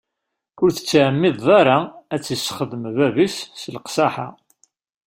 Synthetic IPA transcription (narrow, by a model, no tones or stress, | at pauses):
ʊɾθə̥t͡sːʕəmːɪðˤɑɾˤaæt͡sːisχəðəmvævisːlqsaħa̰